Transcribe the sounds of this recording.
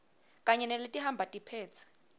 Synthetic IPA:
kʼaɲɛnɛletʼiɦambʱatʼipʰɛːt͡sʰi̥

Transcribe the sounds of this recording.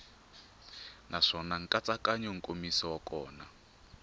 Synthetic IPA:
nʔaʂɔnaŋ̩kʼat͡sʼakaɲɔŋ̩kʼomisɔwakɔːna

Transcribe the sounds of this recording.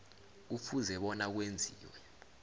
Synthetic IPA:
ufuzɛɓɔnak̬wend͡zʱiːwɛ

